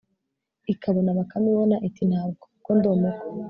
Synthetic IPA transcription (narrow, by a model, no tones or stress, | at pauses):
ikaβanaβakamiβonaʔitin̥haːbɡokondoːmuko̥